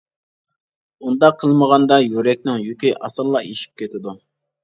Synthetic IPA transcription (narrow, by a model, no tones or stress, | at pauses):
und̪ɑqʰːəlˠməʁɑnd̪ɑjøɾɛk̚ʲnɪŋjykʲiʔɑ̰sɨlˠːɑeʃi̥p̚kʲʰet̪ʰɪd̪u